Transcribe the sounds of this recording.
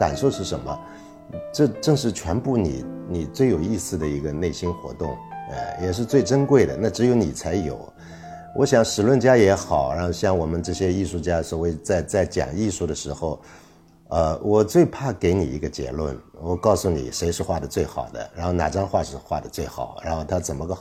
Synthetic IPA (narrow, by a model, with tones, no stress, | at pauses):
ka̰˨˩nʂo˥˧ʊʂɻ̩˥˩ʂə˧˥nmə˧ | ʈ͡ʂɤ˥˧ʈ͡ʂɤ˥˧ŋʂɻ̩˥˩t͡ɕʰɥɛ˧˥npu˥˩nḭ˨˩ni˨˩t͡swe˥˩ɪjo˨˩ʊi˥˧sɹ̩˥˩d̪ə˩i˧˥ɡə˧ne˥˩ɪɕi˥nxwɔ̰˧˥t̪ʊ˥˩ŋɛ̰˥˧jɛ˨˩ʂ̬ɻ̩˥˧t͡swe˥˩ɪʈ͡ʂə˥nkwe˥˩ɪd̪ə̰˩na˥˩ʈ͡ʂɻ̩˧˥jo˧˥ni˨˩t͡sʰa˧˥ɪjo˨˩˦ʊ | wʔɔ̰˧˥ɕjɑ˨˩ŋʂɻ̩˨˩lwə˥˩nt͡ɕja˥jɛ˧˥xɑ˨˩ʊɻa̰˧˥nxo˥˧ʊɕjɑ˥˩ŋwɔ˨˩mə˦nʈ͡ʂɤ˥˩ɕjɛ˥i˥˧ʂu˥˩t͡ɕja˥swɔ˨˩we˥˧ɪt͡sa˥˩ɪt͡sa˥˩ɪt͡ɕjɑ̰˨˩ŋi˥˧ʂu˥˩d̪ə˩ʂɻ̩˧˥xo˧ʊ | ə˧wʔɔ˨˩t͡swe˥˧ɪpʰa˥˩ke˧˥ɪnḭ˨˩i˧˥ɡə˧t͡ɕjɛ̰˧˥lwə̰˥˩nwɔ˨˩kɑ˥˩ʊsu˥˩nḭ˨˩ʂe˧˥ɪʂɻ̩˥˧xwa˥˩d̪ə˩t͡swe˥˩ɪxɑ˨˩ʊd̪ə̰˦ɻa˧˥nxo˥˩ʊna̰˨˩ʈ͡ʂɑ˥ŋxwa˥˧ʂɻ̩˥˧xwa̰˥˩d̪ə˩t͡swe˥˩ɪxɑ̰˨˩˦ʊɻa̰˧˥nxo˥˧ʊt̪ʰa˥t͡sə˨˩nmə˦˧